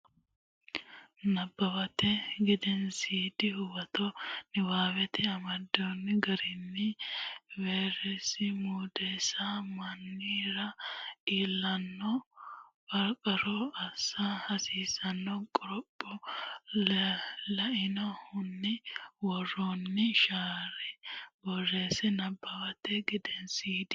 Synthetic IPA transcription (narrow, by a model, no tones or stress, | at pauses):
nɐbːɐbɐt̪ɛɡɪd̪ɛnsiːd̪ɪhʊwɐt̪ɔnɪwaːwɛt̪ʰɛɐmɐd̪onːɪɡɐɾɪnːɪ | veːɾɛsɪmuːd̪eːsamɐnːiːɾɐiːlːɐnːɔ | bɐɾkʼɐɾɔɐsɐhɐsiːsɐnːɔkʼɔɾɔpʼːɔ | lɐɪnɔhʊnːɪwɔrːonːɪʃaːɾɛwɔrːeːsɪnɐbːɐwɐt̪ːɛɡɪd̪ɛnsiːd̪ɪ